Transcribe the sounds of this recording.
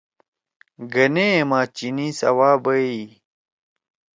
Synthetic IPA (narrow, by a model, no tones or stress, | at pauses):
ɡɐnemaːt͡ɕinisɐ̰waːbɐi